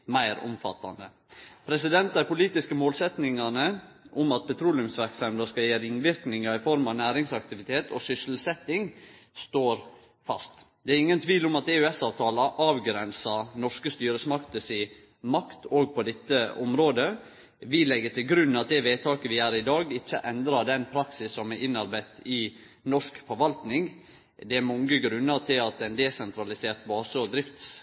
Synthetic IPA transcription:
mæɪɾʊ̰mfɑ̰t̪ːɑ̰nd̪ə | pʰɾɛsɪd̪ɛnt̪d̪æɪpʊliːt̪ɪskəmoːlsɛt̪nɪŋɑnə | ʔʊmɑt̪̚pʰɛt̪ʰɾuːlɪʉmsʋæɾksɑmd̪əskɑjeːɾɪŋʋɪɾknɪŋɑɪfɔɾmɑʋnæːɾɪŋsɑkt̪ɪʋɪt̪ʰeːt̪ʰɔ̰ːsʏsl̩sɛt̪ːɪŋst̪oːɾ | fɑ̰st̪d̪ɛæɾɪŋːənt̪ʰʋiːlʊmɑt̪ɛʉɛsɑːʋt̪ʰɑːlɑʔɑːʋɡɾɛnsɑnɔʂkəst̪yːɾəsmɑkt̪əsɪ | mɑkt̪ʰoːɡ̚pʰɔd̪ɛt̪ːəɔmɾoːd̪ə | ʋɪlɛɡːət̪ɪlɡɾʉnn̩ɑt̪̚d̪ɛʋeːt̪ʰɑːkəʋɪæːɾɪd̪ɑːɡɪçːəʔɛnd̪ɾɑɖ̪ɛnpʰɾɑksɪsːɔmɛʔɪnɑɾbæɪt̪ɪ | nɔʂkfɔɾʋɑlt̪nɪŋ | d̪ɛæɾmɑŋəɡɾʉnːət̪ʰɪlɑt̪ɛnd̪ɛsɛnt̪ʰɾɑlɪseːɾt̪bɑːsəɔd̪ɾɪft̪s

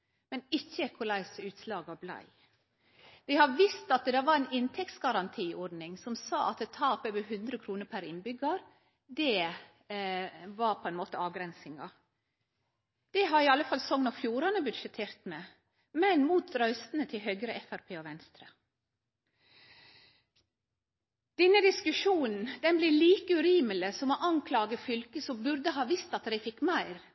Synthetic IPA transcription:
mɛnɪçːəkʰʊlæɪsʉːt̪slɑːɡʋɑblæ̰ɪ | ʋɪhɑɾʋɪst̪ɑt̪̚d̪ɛʋɑɾæɪnɪnt̪ʰɛk̚t̪sɡɑɾɑnt̪ʰiːʔɔɾd̪nɪŋsɔmsɑːʔɑ̰t̪̚ɛt̪ʰɑːpəʋəɦʉnd̪ɾəkʰɾuːnəɾpʰæɾɪnbʏɡɑɾ | d̪ɛ | ʋɑɾpʰɔɛnmoːt̪əɑːʋɡɾɛnsɪŋɑ | d̪̥ɛɦɑɾiːɑlːəfɑlsɔŋnɔfjuːɾɑnəbʉd̪ʃət̪ʰeːɾt̪mɛ | mɛnmuːt̪ɾœʏst̪n̩ət̪ʰɪlɦœɡɾəʔɛfæɾpʰeːɔʋɛnst̪ɾə | d̪̥ɛnːəd̪ɪskʉʂuːnn̩d̪ɛnblɪliːkəʉɾiːmələsɔmoːʔɑŋkʰlɑːɡəfʏlkəsɔmbʉɾd̪əɦɑːʋɪst̪ɑt̪ɾæɪfɪkːmæɪɾ

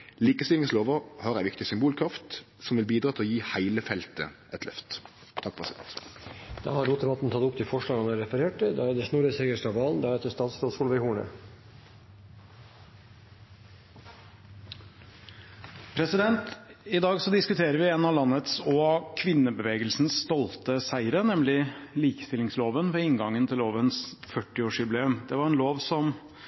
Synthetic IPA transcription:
liːkəst̪ɪlɪŋsloːʋəhɑʁæɪʋɪkt̪ɪsʏmbuːlkʰɾɑft̪ | sɔmʋɪlbiːd̪ɾɑːt̪ʰɪɔjiːhæɪləfɛlt̪ə̰ʔɛt̪lœ̰ft̪ | t̪ʰɑkːpɔʁɛsɪd̪ɛ̰nt̪d̪̥ɑ̰ːhɑɾɾuːt̪̚d̪ɛbɑt̪n̩t̪ʰɑt̪ʊpt̪ʰɪfɔʂɭɑːɡɑnæɾɛfəɾeːʈəd̪ɑ̰æɾd̪əʂnuɾəsɛɡəʂʈɑʋɑːln̩d̪ɑːɾɛd̪əst̪ɑːt̪sloːsfuːlʋɛɪhuːɳə̰ | pʰɾɛsɪd̪ɛnt̪ɪd̪ɑːɡsɔd̪ɪskʉt̪ʰeːɾəɾʋɪeːnɑlɑnːət̪sɔkʰʋɪnːəbəʋeːɡəlsnsst̪ɔlt̪əsæɪəɾənɛmlɪliːkə̥st̪ɪlɪŋsloːʋənʋɛɪŋɡɑŋːənt̪ʰɪloːʋənsfœʈːɪoːʂʏbleːʉmd̪̥ɛʋɑɾɛnloːʋsɔm

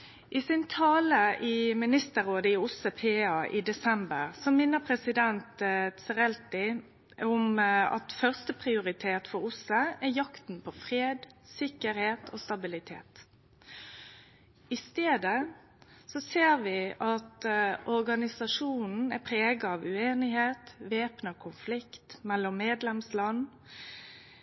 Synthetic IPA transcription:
ʔɪsɪnt̪ʰɑːləʔɪmɪnɪst̪əɾoːd̪əɪʊsəpʰeːɑʔḭːd̪ɛsɛmbəʁsɔmɪnːəpʰɾɛsɪd̪ɛnt̪sɛʁɛlt̪ɪ | ʊmɑ̰t̪fœʁst̪əpʰʁɪʊɾɪt̪ʰeːt̪fɔɾʊsəɛjɑkt̪n̩pʰɔfʁeːd̪sɪkəɾheːt̪ʰo̰ːst̪ɑbɪlɪt̪ʰḛːt̪ | ɪst̪eːd̪ə | sɔseːʁʋɪʔɑt̪ʔɔɾɡɑnɪsɑʂuːnn̩ɛpʰɾeːɡɑɑʋʉeːnɪɦeːt̪ʋeːpnəkʰʊnflɪkt̪mɛlːɔmːeːd̪lɛmslɑn

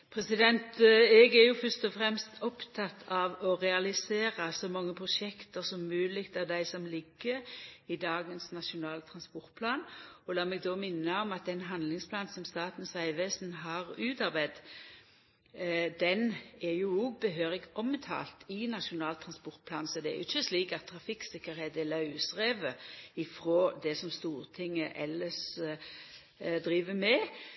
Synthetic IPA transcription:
pʰɾɛsɪd̪ɛnt̪ɛɡæɾjʊfœst̪ɔfʁɛmst̪ʰɔpt̪ʰɑt̪ʰːɑʋɔʁɛɑlɪseːɾɑsɔmɑŋːəpʰʁʊʂɛkt̪əsɔmmʉːlɪkt̪ɑd̪æɪsɔmlɪɡːəɪd̪ɑːɡənsnɑʂʊnɑːlt̪ʰɾɑnspɔɾt̪̚pʰlɑːnɔlɑːmɛɡd̪oːmɪnːəɔmɑt̪̚d̪ɛnɦɑnlɪŋspʰlɑːnsɔmst̪ɑːt̪n̩sʋæɪʋeːsn̩ɦɑʁʉːt̪ɑɾbæɪd̪ | d̪ɛnɛjʊɔɡ̚bəɦøːʁɪɡʔɔmət̪ʰɑ̰ːlt̪ɪnɑʂʊnɑːlt̪ʰɾɑnspɔɾt̪̚pʰlɑːnsɔd̪ɛæ̰jʊ̰ɪçəsliːkɑt̪ʰːʁɑfɪksɪkːəɾheːt̪ɪlɑʉsʁeːʋəɪfɾoːd̪ɛsɔmst̪uːʁt̪ʰɪŋːəʔɛlːəs | d̪ɾiːʋəmɛ

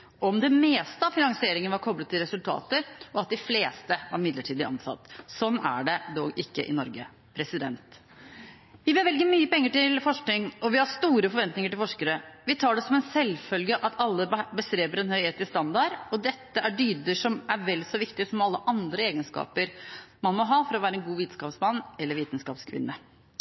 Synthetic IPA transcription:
ʔɔmd̪ɛmeːst̪əɑʋfɪnɑŋsɪeːɾɪŋənəʋɑɾkʰɔblət̪ːɪlɾɛsʉlt̪ʰɑ̰ːt̪əɾɔɑt̪̚d̪ɪfleːst̪əʋɑ̰ɾmɪd̪ləʈʰiːd̪əɑ̰nsɑ̰t̪ːsɔnːæ̰ɖɛd̪ɔʔɪkːə̰ʔɪ̰nɔɾɡə | pʰɾɛsɪd̪ɛnt̪ | ʋɪmɛʋɛlɡəmyːəpɛŋːəʈɪlfɔʂknɪŋɔʋɪhɑʂt̪uːɾəfɔɾʋɛnt̪nɪŋəʈɪlfɔʂkəɾəʋɪt̪ʰɑːɖɛsɔmɛnsɛlfœlɡəʔɑt̪ʰɑlːəbəst̪ɾeːbəɾɛnhœʏheːt̪ɪst̪ɑnd̪ɑɾɔd̪ɛt̪ːəʔæɖyːd̪əʂɔmæɾʋɛlːsɔʋɪkt̪ɪəsɔmɑlːəʔɑnd̪ɾəeːɡənskɑ̰ːpəɾmɑnmɔɦɑːfɔɾɔʋæːɾəɛnɡuːʋiːt̪n̩skɑːpsmɑnːɛlːəɾʋiːt̪n̩skɑːpskʰʋɪ̰nːə

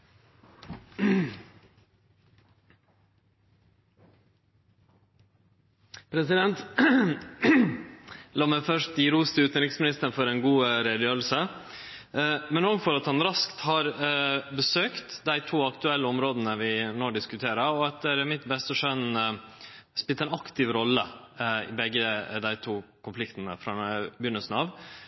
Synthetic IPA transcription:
pʰɾɛsɪd̪ɛnt̪ | lɑːmæɪfœʂt̪iɾuːst̪ʉːt̪nɾɪksmɪnɪst̪ənfɔɾɛnɡuːɾeːd̪jøːlsə | mɛnoːɡfɔɾɑt̪hɑnɾɑskt̪hɑːɾbəsøːkt̪d̪æɪt̪ʰuːɑkt̪ʉɛlːəɔmɾoːd̪ənəʋɪnoːɖɪskʉt̪ʰeːɾəɾɔɑt̪̚d̪ɛɾæmɪt̪bɛst̪əʂœn | spɪlt̪əɛnɑkt̪ɪʋɾɔlːə | ɪ̰bɛɡːəd̪æɪt̪ʰuːkʊnflɪkt̪nə̰fɾɑːbjʏnəlsn̩ɑːʋ

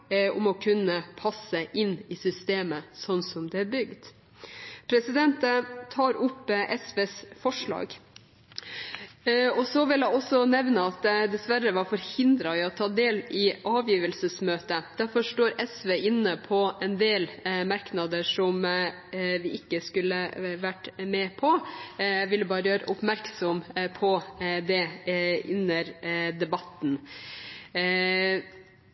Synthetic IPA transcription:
ʊmɔkʰʉnːəpʰɑsəʔɪnːɪsʏst̪eːməsɔnːsɔmd̪ɛæɾbʏɡd̪ | pʰɾɛsɪd̪ɛnt̪ət̪ʰɑːɾʊpːʔɛsʋeːsfɔʂɭɑ̰ːɡ | ɔsɔʋɪlæɪɔsɔnɛʋnəɑt̪d̪ɛsʋæɾəʋɑfɔɾhɪnd̪ɾɑɪɔt̪ʰɑːd̪eːlɪʔɑːʋjiːʋəlsəsmøːt̪əd̪̥æɾfɔʂʈoːɾɛsʋeːʔɪnːəpʰɔɛnd̪eːlmɑɾknɑd̪əʂɔm | ʋɪʔɪkːəskʉlːəʋæʈmɛːpʰɔ | ʋɪləbɑːɾəjøːɾə̰ʔʊpmæɾksɔmpʰɔd̪ɛʔɪnːəɾd̪ɛbɑt̪n

